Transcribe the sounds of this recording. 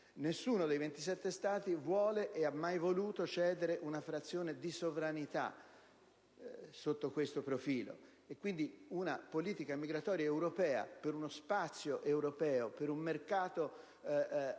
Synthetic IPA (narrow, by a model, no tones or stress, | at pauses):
nesːuːnod̪ejvent̪is̬ɛt̪ːest̪aːt̪ivwɔːleʔeamːajvoluːt̪ot͡ʃɛːd̪eɾeʔunafɾat̪sːjoːned̪isovɾanit̪a̰ | sot̪ːokwest̪opɾofiːlo̰ | ekːwind̪iunapoliːt̪ikamiɡɾat̪ɔːɾjaewɾopɛːa̰peɾunospat̪sːjoʔewɾopɛːopeɾumːerkaːt̪o